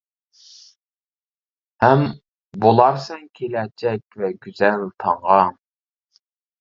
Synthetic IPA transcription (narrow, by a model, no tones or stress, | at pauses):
hɛm | bolˠɑɾsɛŋkʲʰelɛt͡ʃʰɛkʲvɛɡʲyz̥ɛlt̪ʰɑɴʁɑ